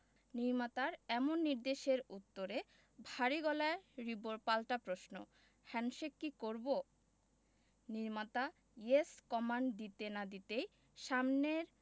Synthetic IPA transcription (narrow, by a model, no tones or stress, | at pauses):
niɾmat̪aɾɛmonːiɾd̪eʃeɾut̪ːoɾe | bʱaɾiɡɔlaeɾiboɾpalʈapɾoʃno̰ | hɛnʃekːikoɾbo | niɾmat̪a | jeskɔmaɳɖd̪it̪enad̪it̪ej | ʃamneɾ